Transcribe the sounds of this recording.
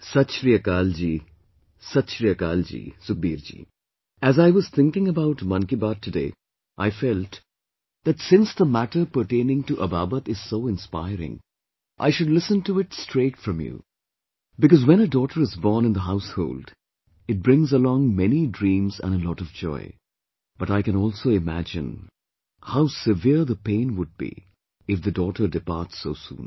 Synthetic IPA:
sʌtʃɾiəkaːld͡ʒiː | sʌtʃɾiəka̰ːld͡ʒḭːsʊk̚biːɾd͡ʒḭː | æzaɪwʌz̥t̪ʰɪ̃ŋkɪ̃ŋəbaʊʈmʌ̃nkibaːd̚tʰːɨdḛː | ʔaɪfɛlt | ðætsɪ̃nsðəmæʈə˞pəɾʈẽnɪ̃ŋtuʔəbaːbət̪ɪz̥soʊɪ̃nspa̰ɪɾɪ̰̃ŋ | ʔa̰ɪʃʊdlɪsə̃ntuɪtstɹeːtfɹʌ̃mjṵ | bɨkʌzwɛ̃ñədɔɾə˞ɨzbɔːnɨ̃nðəɦaʊshoʊld | ɨt̚bɹɪ̃ŋzəlɔ̃ŋmɛnidɹĩːmzə̰̃nəlɔɾʌvd͡ʒɔ̰ɪ | b̥ʌɾaɪkɨ̃ñɔːlˠsoʊɪmæ̰d͡ʒɪ̰̃n | haʊsɪvɪɹðəpẽɪ̃nwʊd̚bḭ | ɪfðɨdɔɾə˞dɨpɑɹtsːoʊsṵ̃ːn

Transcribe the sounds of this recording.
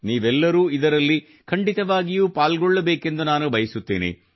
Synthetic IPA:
niːʋɛlːɐɾuːid̪ɐɾɐlːi | kʰɐɳɖit̪ɐʋaːɡijuːpaːlɡɔɭːɐbeːke̞nd̪unaːnubʱɐjɐsut̪ːḛːnḭ

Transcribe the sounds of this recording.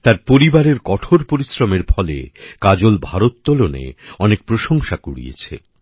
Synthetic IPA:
t̪aɾpoɾibaɾeɾkɔʈʰoɾpoɾisɾomeɾfʰɔlḛkad͡ʑolbʱaɾot̪̚ːolonḛɔnek̚pɾoʃoŋʃakuɽḭjḛt͡ɕʰḛ

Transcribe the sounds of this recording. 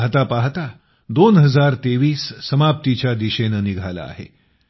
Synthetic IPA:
ɦt̪apaɦt̪a | d̪onɦəd͡zaɾt̪eʋiːsːəmap̚t̪it͡ɕjad̪iɕenəniɡʱala̰ːɦḛ

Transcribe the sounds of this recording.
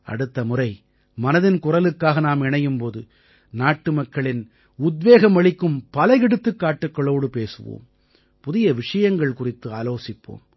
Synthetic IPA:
ʔɐ̰ɽɯt̪ːɐmʊrɐɪ | mɐnɐðɪnkʊrɐlɯkːaːɣɐnaːmɛɳɐjɯmpoːðɯ | naːʈːɯmɐkːɐɭɪn | ʊd̪ʋeːɣɐmɐɭɪkːɯmpɐlɐjɪɽɯt̪ːɯkːaːʈːɯkːɐɭoːɽɯpeːsɯʋo̰ːm | pʊðɪjɐʋɪʂɐjɐŋɡɐɭkʊrɪt̪ːɯaːloːsɪpːo̰ːm

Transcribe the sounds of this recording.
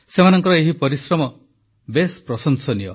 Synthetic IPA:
semanɔŋkɔɾɔeɦipɔɾisɾɔmɔ | bespɾɔsɔŋsɔnijɔ

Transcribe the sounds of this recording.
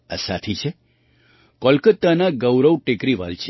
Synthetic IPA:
a̰sat̪ʰit͡ʃʰe | kɔlkət̪ːanaɡəwɾəwʈekɾiʋa̰lt͡ʃʰe

